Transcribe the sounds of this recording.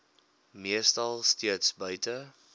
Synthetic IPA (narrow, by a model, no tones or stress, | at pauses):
miəstɐlˠstiətsbœɥtə